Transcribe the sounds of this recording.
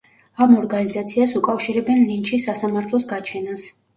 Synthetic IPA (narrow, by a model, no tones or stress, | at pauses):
amɔɾɡanizat̪sʰiasukʼafʃiɾɛbɛnlint͡ʃʰisasamaɾt̪ʰlˠɔsɡat͡ʃʰɛnas